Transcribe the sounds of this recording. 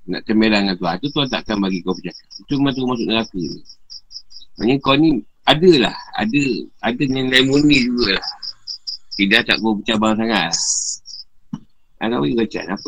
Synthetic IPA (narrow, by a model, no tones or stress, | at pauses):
na̰ʔt̪əmbelaŋant̪uant̪ut̪uant̪a̰ʔkanbaɡikowpət͡ʃakait̪umat̪ukumas̬ʊʔnəɾakənḭ | ma̰ɲəkoni | adəla̰ha̰dəadəɲanaimunid͡ʒuɡəlah | t̪idaht̪a̰ʔkowp̬ət͡ʃabaŋs̬aŋaʔ̪̚lah | a̰kawiɡat͡ʃa̰nap